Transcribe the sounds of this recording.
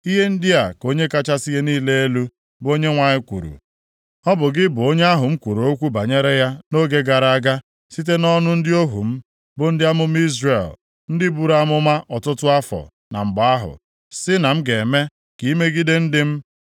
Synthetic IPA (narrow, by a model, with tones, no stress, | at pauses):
i˦ɦe˦n̩˦dɪ˦a˨ko˦ɲe˦ka˦t͡ʃa˦si˦ɦe˦niː˦le˦e˦lu˦ | bo˦ɲe˦ŋʷa˨ɲɪ˦kʷṵ˨ɾṵ˨ | ɔ˦bʊ˨ɡɪ˦bʊ˨o˦ɲe˦a˦ɦʊ˨m̩˦kʷu˨ɾo˨o˦kʷu˦ba˨ɲe˦ɾe˦ja˦no˦ɡe˦ɡa˨ɾa˨a˦ɡa˦ | si˦t̬e˦nɔ˦nʊ˦n̩˦dɪ˦o˦ɦṵ˨m̩˦ | bʊ˨n̩˦dɪ˦a˦mʊ˦m̩˦i˦zre˨l | n̩˦dɪ˦bu˦ɾa˦˨mʊ˦ma˦ʔɔ˨tʊ˦tʊ˦a˦fɔ̰˨ | na̰˨m̩˨ɡ͡ba˨a˦ɦʊ̰˨ | sɪ˦na˨m̩˦ɡe˨me˦ | ki˨˦me˦ɡi˦de˦n̩˦dɪ˦m̩˦